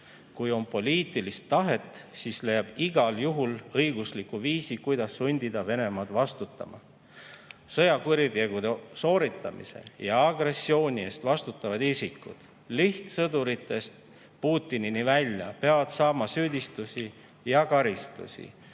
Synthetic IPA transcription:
kujo̞mpo̞lʲiːt̪ˑilist̪ːɑɦe̞t̪ːˑsiːsle̞jːɑb̥iɡ̥ɑljuɦulɤjɡuslikuviːsikujd̪̥ɑsːunʲd̪̥id̪ɑve̞ne̞mɑd̪vɑst̪ut̪ˑːɑ̰mɑ̰ | sɤ̞jɑkuɾid̪e̞ɡ̥ud̪eso̞ːɾit̪ːˑɑmḭse̞̰jɑɑɡre̞sːio̞ːnʲie̞st̪vɑst̪ut̪ˑːɑvɑd̪isikːˑṵd̪̥ | liht̪sɤd̪uɾit̪ːˑe̞st̪ | puːt̪ːininivælʲjɑ̰peɑvɑd̪̥sɑːmɑsyːd̪ist̪usʲi | jɑkɑɾist̪ṵsḭ

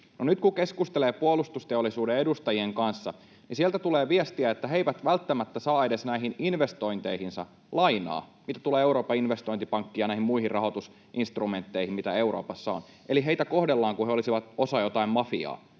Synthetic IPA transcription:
nonyt̪kukeskust̪eleːpuolust̪ust̪e̞olːˑisuːdeedust̪ɑjieŋkɑnsːɑ | nisielt̪æt̪uleːʋiest̪iæet̪ːæɦe̞jʋæt̪ʋælt̪ːæmæt̪ːæsɑːe̞desnæiɦininʋe̞st̪o̞int̪eihinsɑ̰ | lɑinɑ̰ːmit̪æt̪uleːeuɾo̞ːpɑinʋest̪o̞int̪ipɑŋkːijɑnæihimuihirrʔɑɦo̞t̪us | ʔinst̪rume̞nt̪ːe̞ihimit̪æewɾo̰ːpɑsːɑo̰n | ʔeliɦe̞it̪æko̞hdelːɑːŋkuheolisiʋɑt̪osɑjo̞t̪ɑimmɑfḭɑ̰ː

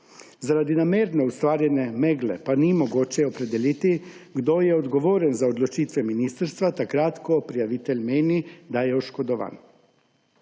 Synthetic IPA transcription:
zaɾad̪inameːɾnɛust̪ʋaːɾjɛnɛmɛɡlɛ̰panimɔɡoːt͡ʃɛɔpɾɛd̪ɛliːt̪iɡd̪ojɛɔd̪ɡɔʋoːɾɛnzaɔd̪lɔt͡ʃiːt̪ʋɛminiːst̪ɾst̪ʋat̪akɾaːt̪kɔpɾijaʋiːt̪ɛlʲmeːnid̪ajɛɔʃkɔd̪ɔʋa̰ːn

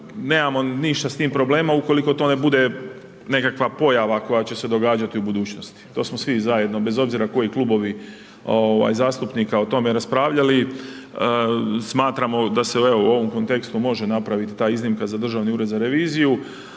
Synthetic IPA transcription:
ne̞ːmamo̞niʃt̪ast̪iːmpɾo̞ble̞ːmauko̞liko̞t̪o̞ne̞bud̪e̞ | ne̞kakʋapo̞jaʋako̞jat͡ɕe̞sed̪o̞ɡaːd͡ʒat̪iubud̪uːt͡ɕno̞st̪i̥t̪o̞ːsmosʋizaje̞d̪no̞be̞zo̞bziɾako̞jiklˠuːbo̞ʋi | oʋa̰jzaːst̪upnikao̞t̪o̞meɾaspɾaːʋʎali | smaːt̪ɾamo̞d̪ase̞ueo̞uo̞ʋo̞mko̞nt̪e̞kst̪umo̞ʒe̞napɾaʋit̪it̪aːiznimkazad̪r̩ʒaʋniuːɾed̪zaɾe̞ʋiːziju

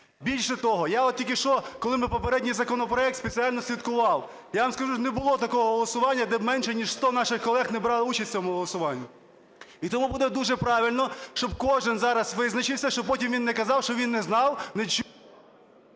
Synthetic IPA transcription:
bʲilʲʃɛt̪ɔɦɔjaɔt̪tʲilkɪʃt͡ʃɔkɔlˠɪmɪpɔpeɾɛdʲnʲɪjzɐkɔnɔpɾɔɛkt̪spet͡sʲiɑlʲnɔsʲʋʲit̪kʊʋɑw | jaʋɐmskɐʒunebʊlˠɔt̪ɐkɔɦɔɦɔlˠɔsʊʋɑnʲːɐd̪ɛbmɛnʃɛnʲiʃst̪ɔnɑʃɪxkɔlˠɛxnɛbɾɑlˠut͡ʃɐsʲt͡sʲɔmʊɦɔlˠɔsʊʋɑnʲːʊ | it̪ɔmubud̪ɛd̪uʒɛpɾɑʋʲilʲnɔʃt͡ʃɔb̚kɔʒɪnzɑɾɐsʋɪznɐt͡ʃɪwsʲɐʃt͡ʃɔpɔtʲimʋʲinːɛkɐzɑwʃt͡ʃɔʋʲinːɛznɑwnɛt͡ʃ

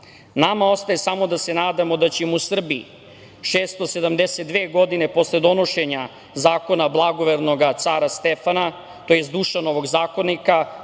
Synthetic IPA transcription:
namao̞st̪aje̞samo̞d̪ase̞naːd̪amo̞d̪at͡ɕemuusr̩biḭ | ʃeːst̪o̞se̞d̪amd̪eset̪̚d̪ʋeːɡo̞d̪ine̞po̞sle̞d̪o̞no̞ʃe̞ɲa | zaːko̞nablˠaɡo̞ʋeɾno̞ɡat̪saɾast̪efana | t̪ojesd̪uːʃano̞ʋo̞ɡzaːko̞nika

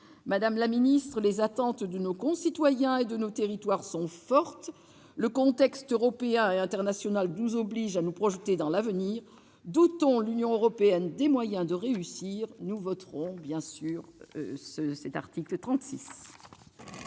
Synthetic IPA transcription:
mad̪amlaminist̪χəlezat̪ɑ̃t̪d̪ənokɔ̃sit̪wajɛ̃ed̪ənot̪eʁit̪waʁsɔ̃fɔʁt̪ | ləkɔ̃t̪ɛkst̪øʁɔpeɛ̃eɛ̃t̪ɛʁnasjɔnalnuzɔbliʒanupχɔʒət̪ed̪ɑ̃lavəniːʁ | d̪ut̪ɔ̃lynjɔ̃øʁɔpeɛnd̪emwajɛ̃d̪əʁeysiʁnuvɔt̪ʁɔ̃bjɛ̃syːʁsəsɛt̪a̰ʁt̪iklət̪χɑ̃t̪sis

